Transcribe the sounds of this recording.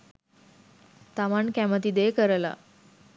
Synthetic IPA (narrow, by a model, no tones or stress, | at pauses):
t̪amaɳkæmət̪id̪ekəɾla̰